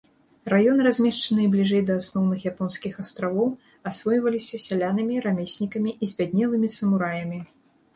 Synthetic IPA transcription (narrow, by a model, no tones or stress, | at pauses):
rajɔnɨɾazʲmʲɛʂt͡ʂɐnɨɛblʲiʐɛjd̪ɐːsnɔwnɨxjapɔnsʲkʲixast̪ɾavɔw | asvɔjvɐlʲisʲɐsʲalʲanɨmʲiɾamʲesʲnʲikɐmʲiʔizʲbʲad̪̚ʲnʲɛlˠɨmʲisɐmuɾajɐmʲi